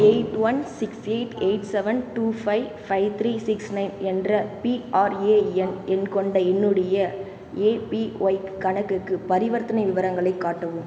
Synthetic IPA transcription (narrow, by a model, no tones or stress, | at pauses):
eɪʈʋɐnsɪkseɪʈeɪʈsɛʋɐnʈuːfɐɪfɐɪʋt̪ʰɾiːsɪksnɐɪnɛndrɐpiaːɾeːɛnɛnkɔɳɖɐɛnːɯɽɐjɐ | eːpiɔɪkːɐɳɐkːɯkːɯpɐɾɪʋɐɾt̪ːɐnɐɪʋɪʋɐɾɐŋɡɐɭɐɪkːaːʈːɐʋɯm